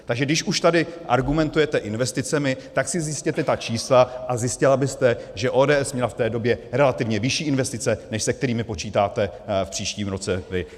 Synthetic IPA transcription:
t̪aɡʒɛɡdɪʃuʃt̪adɪʔa̰ɾɡumɛnt̪ujɛt̪ɛʔɪnvɛst̪ɪt͡sɛmɪt̪aksɪzjɪscɛt̪ɛt̪at͡ʃiːslaʔazjɪscɪlabɪst̪ɛʒɛʔoːdɛːʔɛsmɲɛlaft̪ɛːdo̞bjɛɾɛlat̪ɪvɲɛvɪʃiːɪnvɛst̪ɪt͡sɛnɛʃsɛkt̪ɛɾiːmɪpo̞t͡ʃiːt̪aːt̪ɛfpr̥iːʃciːmɾo̞t͡sɛvɪ

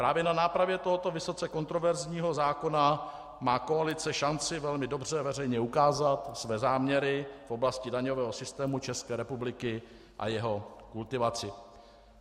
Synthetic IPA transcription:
pɾaːvjɛnanaːpɾavjɛt̪o̞ɦo̞t̪o̞vɪso̞t͡sɛko̞nt̪ɾo̞vɛɾzɲiːɦozaːko̞na | maːko̞alɪt͡sɛʃant͡sɪvɛlmɪdo̞br̝ɛvɛrɛjɲɛukaːzat̪svɛːzaːmɲɛɾɪfʔo̞blascɪdaɲo̞vɛːɦosɪst̪ɛːmut͡ʃɛskɛːɾɛpublɪkɪ | ʔa̰jɛɦo̞kult̪ɪvat͡sɪ

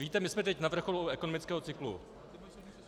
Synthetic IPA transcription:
viːt̪ɛmɪsmɛt̪ɛcnavr̩xo̞luʔɛko̞no̞mɪt͡skɛːɦot͡sɪklṵ

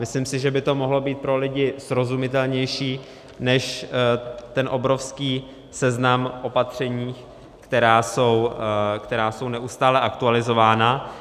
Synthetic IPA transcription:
mɪslimsɪʒɛbɪt̪o̞mo̞ɦlo̞biːt̪̚pɾo̞lɪɟɪsɾo̞zumɪt̪ɛlɲɛjʃiː | nɛʃ | t̪ɛnʔo̞bɾo̞fskiː | sɛznamʔo̞pat̪r̝̥ɛɲiːx | kt̪ɛɾaːsowkt̪ɛɾaːso̞wnɛʔust̪aːlɛʔak̚t̪ualɪzo̞vaːna

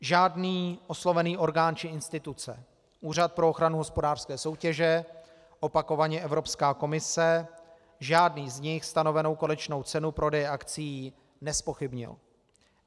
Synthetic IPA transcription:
ʒaːdniːʔo̞slo̞vɛniːʔo̞ɾɡaːnt͡ʃɪɪnst̪ɪt̪ut͡sɛ̰ | ʔuːrat̪̚pɾooxɾanuɦo̞spodaːr̥skɛːso̞wcɛʒɛ | ʔo̞pako̞vaɲɛʔɛvɾo̞pskaːko̞mɪsɛ | ʒaːdniːzɲɪxst̪ano̞vɛno̞wkonɛt͡ʃno̞wt͡sɛnupɾʔo̞dɛjɛʔakt͡sɪjiː | nɛspo̞xɪbɲɪ̰l

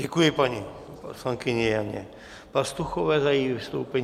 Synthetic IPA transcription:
ɛkujɪpaɲi | poslaŋkɪɲɛjaɲɛ̰ | past̪uxovɛːzajivɪst̪owpɛɲ

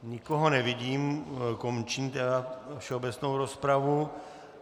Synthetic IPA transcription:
ɲɪkoɦonɛviɟiːmkomt͡ʃiɲt̪ɛdafʃɛobɛt͡snowɾospɾavu

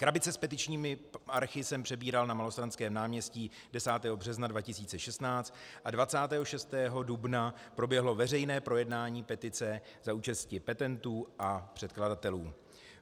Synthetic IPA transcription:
kɾabɪt͡sɛspɛt̪ɪt͡ʃɲiːmɪaɾxɪsɛmpr̥ɛbiːɾalnamalost̪ɾanskɛːmnaːmɲɛsciː | dɛsaːt̪ɛːɦo̞br̝ɛznadvacɪsiːt͡sɛʃɛst̪naːt͡st̪ | ʔadvat͡saːt̪ɛːɦoʃɛst̪ɛːɦo̞dubna | pɾo̞bjɛɦlo̞vɛrɛjnɛːpɾo̞jɛdnaːɲiːpɛt̪ɪt͡sɛzauːt͡ʃɛst̪cɪpɛt̪ɛnt̪uːʔapr̝̥ɛt̪̚kladat̪ɛluː

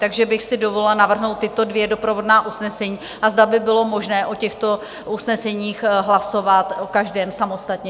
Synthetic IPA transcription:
t̪aɡʒɛbɪxsɪdovolɪlnavr̩ɦnowt̪ːɪt̪o̞dvjɛdo̞pɾovo̞dnaːʔusnɛsɛɲiː | ʔazdabɪbɪlo̞mo̞ʒnɛːʔocɛxt̪o̞ | ʔusnɛsɛɲiːxɦlaso̞vat̪okaʒdɛːmsamo̞st̪at̪ɲɛ

